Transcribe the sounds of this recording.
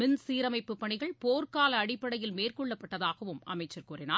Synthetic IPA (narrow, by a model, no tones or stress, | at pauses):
mɪnsiːɾɐmɐɪpːɯpːɐɳɪɣɐɭpoːrkaːlɐːɽɪpːɐɽɐjɪlmeːrkɔɭːɐpːɐʈːɐðaːɣɐʋɯmʔɐ̰mɐɪt͡ʃːɐɾkʊɾɪnaː